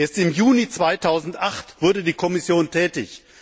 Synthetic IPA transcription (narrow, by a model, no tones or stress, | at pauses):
ʔeːɐstɪmjuːnit͡sv̥aɪtʰaʊzn̩tʔaχtv̥ʊɐdədiːkʰɔmɪsjoːntʰɛːtɪ̰ç